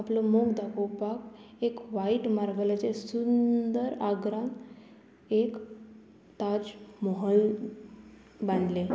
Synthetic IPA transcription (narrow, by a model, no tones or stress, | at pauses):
aplomoɡd̪akopak | ekʋaiʈmaɾɡəlat͡ɕesund̪əɾaɡɾãn | ek | t̪ad͡ʑmɔɦəl | bãnd̪le